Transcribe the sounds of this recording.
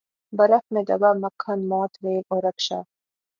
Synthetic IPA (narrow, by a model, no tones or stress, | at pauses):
bɐɾɐfmed̪ɐ̰bamɐkʰːɐnmɔːt̪ɾeːloɾɐkʃa̰